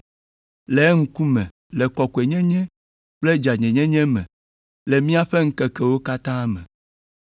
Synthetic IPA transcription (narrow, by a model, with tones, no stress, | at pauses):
le˨˦ŋ̩˦ku˦mɛ̰̃˨ | lɛ˨kɔ˨ko˨e˨ɲɛ̃˦ɲɛ̃˦ | k͡ple˦d͡ʒa˨ɲɛ̃˨ɲɛ̃˦ɲɛ̃˦mɛ̰̃˨ | lɛ˨mĩ˦a˦ɸe˦ŋ̩˦kɛ˨kɛ˨wo˦ka˦t̪ã˦mɛ̰̃˨